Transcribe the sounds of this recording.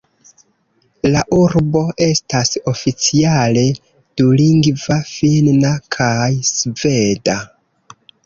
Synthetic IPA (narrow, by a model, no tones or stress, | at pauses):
laʔuɾbo̞ʔe̞staso̞fit͡siale̞ | d̥uliŋɡvafinnakʰajsve̞da